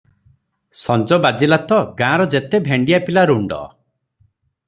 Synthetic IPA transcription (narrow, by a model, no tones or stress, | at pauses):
sɔnd͡ʒɔbad͡ʒilat̪ɔɡãːɾɔd͡ʒet̪ebʱeɳɖijapilaɾuɳɖɔ̰